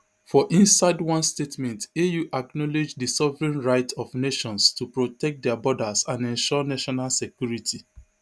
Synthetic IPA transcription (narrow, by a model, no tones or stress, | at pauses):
fɔʔĩnsaɪdwɔ̃nstetmɛ̃ntejuʔaknɔled͡ʒdisɔvɹĩnɹaɪtʰɔfneʃɔ̃nstupɹotɛk̚t̚dɛabɔdasãnɛ̃nʃɔnaʃɔnalsekjuɹitʰi